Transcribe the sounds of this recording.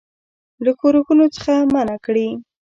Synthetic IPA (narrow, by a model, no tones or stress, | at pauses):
lakoɾuxunot͡sə̥xamanakɽi